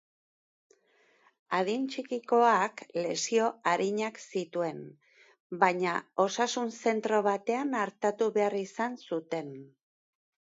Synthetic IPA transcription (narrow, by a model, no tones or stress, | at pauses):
aðint͡ʃikiko̞akle̞sio̞aɾiɲaksit̪ue̞n | baɲao̞sasunse̞nt̪ɾo̞βat̪e̞anaɾt̪at̪uβe̞arisansut̪e̞n